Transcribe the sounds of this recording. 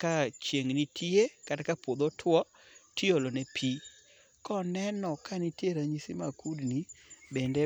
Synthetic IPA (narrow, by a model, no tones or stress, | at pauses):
kat͡ʃeŋnitʰiekadkapwod̪otʰwɔ | tiolonepʰi | kɔnɛnɔkanitjeɾaɲisimakudnibɛnde